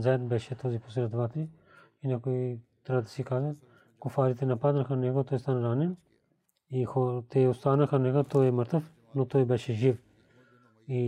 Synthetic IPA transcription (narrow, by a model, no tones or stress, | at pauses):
zɛt̪bɛʃɛt̪ɔzipɔsiɾat̪vat̪ɾi | inɛkoit̪ɾɛbəd̪ɐsikaʒɐ | kufaɾit̪ɛnɐpad̪nɐxanɛɡot̪ɔjst̪anɐɾanɛn | ixɔt̪ɛost̪anɐxɐnɛɡot̪ɔjɛməɾt̪əf | not̪ɔjbɛʃɛʒif | i